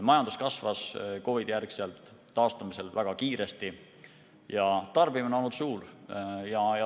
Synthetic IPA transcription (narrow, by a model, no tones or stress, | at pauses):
mɑjɑnd̪̥uskɑsvɑsko̞vid̪̥jærkselt̪ˑː | ɑːst̪ɑmiselvæɡ̥ɑkiːɾe̞st̪i | jɑt̪ɑrb̥imonolnːut̪suːljɑjɑ